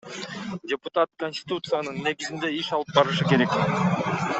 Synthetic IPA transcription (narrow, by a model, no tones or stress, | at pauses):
dʲepʊt̪at̪konʲsʲt̪ʲɪ̥t̪ut̪sɨjanɯnːe̞ɡizind̪e̞iʃɑlˠɯp̚bɑɾɯʃɯke̞ɾe̞k